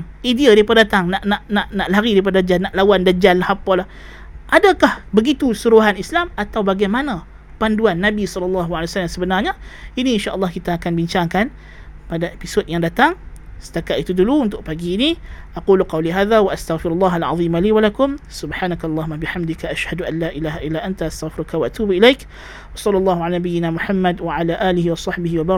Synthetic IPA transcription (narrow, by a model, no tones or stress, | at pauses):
ʔidiadaipaddat̪aŋnaʔnaʔnaʔnaʔləɦaɾidaip̬adadad͡ʒalnaʔlawandad͡ʒallahapalah | ʔadakahbəɡit̪usuɾuɦanislamat̪awbaɡajmanã | panduanːabisɔləlːɑɦualiwasalamsəbənarɲainiinʃaʔəlːɑhkit̪aːkanbiɲt͡ʃaŋkan | padaʔepisotjaŋdat̪aŋsə̥t̪akaʔit̪uduluunt̪ʊʔ̚paɡiːniʔaquːluqɑwliɦaːðawaʔast̪aɣfɪɾulːɑːɦalʕɑ̰ðˤiːmaliːwalakʊmsʊbħaːnakaɑlˤːɑːɦʊmːabɪħamd̪ɪkaʔaʃhaduʔanːaːʔilaːɦaʔilaʔant̪aʔast̪aɣfɪɾukawaʔat̪uːbʔilajk | ʔɑsˤɑlːɑlˤːɑːɦuʕalanabijɪnamʊħamːadwaʕalaʔaːliɦiwɑsˤɑħbɪɦiwabɑ